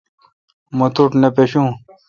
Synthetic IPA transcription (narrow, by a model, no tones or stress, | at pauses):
mot̪uʈnepeɕũː